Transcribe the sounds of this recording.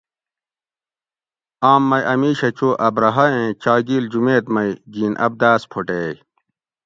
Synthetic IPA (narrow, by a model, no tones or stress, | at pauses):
aːmːɐjʔɐmiːɕɐt͡ɕoʔɐbɾɐɦɐẽt͡ɕaːɡiːld͡ʑumeːt̪mɐiɡiːnʔɐ̰b̚d̪aːspʰoʈeːj